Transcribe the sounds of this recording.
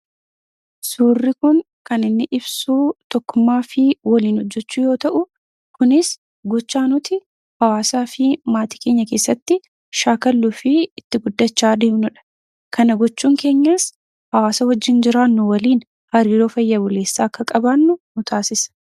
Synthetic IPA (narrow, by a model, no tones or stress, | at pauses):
suːrːɪkʊn | kɐnɪnːɪʔɪbsuːt̪ɔkːʊmːaːfɪwɐliːnhɔd͡ʒːɛt͡ʃːuːjo̞ːt̪ɐʔʊ | kʊnɪs | ɡɔt͡ʃːaːnʊt̪ɪ | hɐwaːsaːfɪmaːt̪iːke̞ːɲːɐke̞ːsːɐt̪ːɪ | ʃaːkɐlːuːfɪɪt̪ːɪɡʊd̪ːɐt͡ʃːaːd̪eːbnʊᶑɐ̥ | kɐnɐɡɔt͡ʃːuːŋke̞ːɲːaːs | hɐwaːsɐwɐd͡ʒːɪnd͡ʒɪɾaːnːʊwɐliːn | hɐɾiːɾo̞ːfɐjːɐbʊle̞ːsːaːɐkːɐkʼɐbanːʊnʊt̪ʰaːsɪsɐ̥